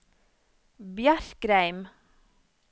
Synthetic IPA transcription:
bjæɾkɾæɪm

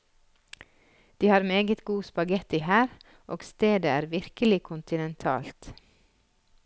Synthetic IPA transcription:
d̪̥iːhɑːɾmeːɡət̪ɡuːspɑɡɛt̪iːhæːɾ | ʔoːɡst̪eːd̪əæːɾʋɪɾkəlɪkʰʊnt̪ɪnɛnt̪ʰɑ̰ːlt̪

